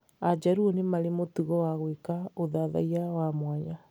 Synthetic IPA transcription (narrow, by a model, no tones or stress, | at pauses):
ad͡ʒaɾuonemaɾemotuɣɔwaɣwekaoðaða̰iawamwaɲa